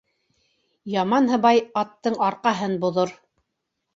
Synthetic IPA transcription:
jɑmɑnɦɤ̆βɑjɑt̪ːɤɴɑɾqɑɦɤnbŏðoɾ

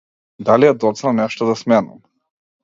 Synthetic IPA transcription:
d̪alijad̪ɔt̪snanɛʃt̪ɔd̪asmɛna̰m

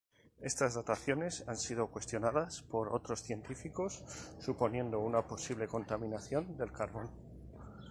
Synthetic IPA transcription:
est̪azðat̪aθjo̞ne̞sansið̞o̞kwe̞st̪jo̞naðaspo̞ɾot̪ɾo̞sθje̞nt̪ifiko̞sːupo̞nje̞nd̪o̞unapo̞siβ̞le̞ko̞nt̪amĩnaθjo̞nd̪e̞lkaɾβo̞no

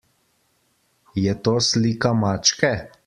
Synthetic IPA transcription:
jɛt̪oːsliːkamaːt͡ʃkɛ

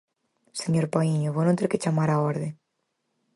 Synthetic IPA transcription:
seɲoɾpaiɲoβonõnt̪eɾket͡ʃamaɾaoɾðe

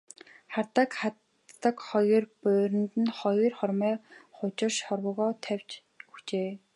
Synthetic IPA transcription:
χart̪əkχat̪ː | ə̆kχɔjɞrpʊːɾʲɘ̆nt̪ɘ̆nχɔjɞrχɔrmœːχʊt͡ɕɪ̆rʃɔrwə̆ɣɔːt̪ʰæw̥ʲt͡ɕ | ɵxt͡ɕeː

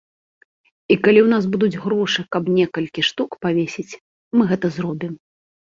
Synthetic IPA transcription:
ikalʲiwn̪azbud̪ud͡zʲɣɾɔʂɨkɐbnʲɛkɐlʲkʲiʂt̪ukpavʲesʲit͡sʲ | mɨɣɛt̪ɐzɾɔbʲim

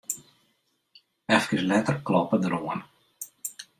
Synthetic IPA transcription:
ɛfkəslɛtərklɔpədəɾoən

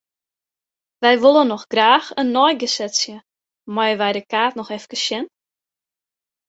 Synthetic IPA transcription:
ʋɛjʋolˠənːɔxɡ̥raːxənːɔjɡəsɛsjə | mɔjəʋɛjdəkaːtnɔxɛfkəsjɛn

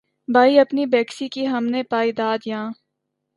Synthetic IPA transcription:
bʱaːiɐpnibɛːksikiɦɐmnepaːid̪aːd̪jãː

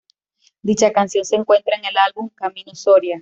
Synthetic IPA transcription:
d̪it͡ʃakansjo̞nse̞ːŋkwe̞nt̪ɾaeŋe̞lalβumkamĩnosoɾja

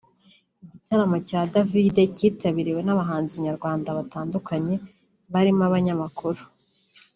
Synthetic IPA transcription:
iɟitaɾamocaːdavide̞ciːtaβiɾiwe̞naβaɦaːnziɲaɾɡwaːndaβataːndukaɲe̞ | βaɾimaβaɲamakʰuɾu

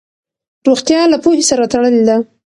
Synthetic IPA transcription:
ɾoxt̪jɑlapohesaɾat̪aɽəled̪a

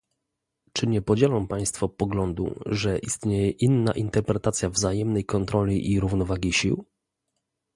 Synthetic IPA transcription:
t͡ʂɘɲɛpɔd͡ʑɛlɔ̃w̃paj̃st̪fɔpɔɡlɔnd̪ṵʐɛʔist̪ɲejɛʔinːa̰ʔint̪ɛɾpɾɛt̪at̪sʲjavzajɛmnɛjkɔnt̪ɾɔlʲiʔiɾuvnɔvaɡʲiɕiw

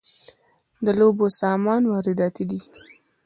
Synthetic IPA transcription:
d̪əlobosɑmɑnwɑɾɪd̪ɑt̪id̪i

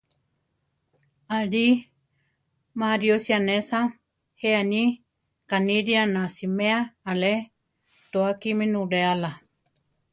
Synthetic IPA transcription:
aɾi | mãɾiosianesã | heani | kaniɾianasimeaale | t̪oakimĩnũɾeala

